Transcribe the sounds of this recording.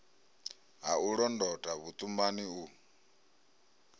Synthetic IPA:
ɦauɺɔndɔtʼaβut̪ʼumbaniu

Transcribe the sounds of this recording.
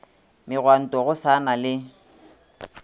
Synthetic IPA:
mɪɣwan̩tʼɔɣʊsanalɪ

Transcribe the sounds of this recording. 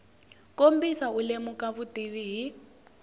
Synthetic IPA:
kombisaulemukaβutiβiɦi

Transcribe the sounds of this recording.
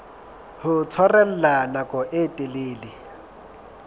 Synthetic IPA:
hʊt͡sʰwarɛl̩lanakʼɔʔɪtʼɪleːlɪ

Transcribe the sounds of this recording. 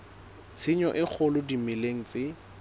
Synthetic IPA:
t͡sʰiɲɔʔɪk͡xʰʊlʊdimɪleŋ̩t͡sɪ

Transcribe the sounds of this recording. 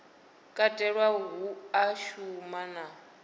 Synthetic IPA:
kʼatʼɛɺwaɦuaʃumana

